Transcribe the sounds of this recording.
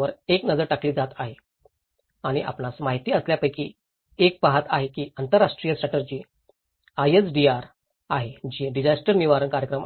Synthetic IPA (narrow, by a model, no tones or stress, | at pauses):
ʋəɾeknəd͡zəɾʈakliːd͡zat̪aɦe | aɽ̃iʔa̰pnasmaɦit̪iːəsljapəjkḭː | ek̚paɦat̪aɦekiːant̪əɾːaʂʈɾijəsʈɾaʈəd͡ʑiː | ajesɖiaɾ | aɦed͡ʑiːɖid͡ʑasʈəɾniʋaɾənkaɾjəkɾəm